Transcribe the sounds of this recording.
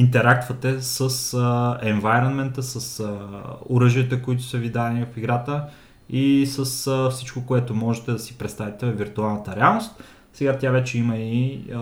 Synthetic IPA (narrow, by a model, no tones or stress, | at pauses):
int̪ɛɾak̚t̪vət̪ɛsəsəɛɱvajɾonmɛnt̪əsəsəoɾɤʒiət̪əkoit̪ʊ̥səvid̪anivɐfiɡɾat̪ə | isəsfsit͡ʃkokoɛt̪omɔʒɛt̪ɛd̪ɐsi̥pɾɛt̪st̪avit̪ɛviɾt̪ualˠnət̪əɾɛalˠnost̪ | sɛɡat̪ʲjavɛt͡ʃɛiməi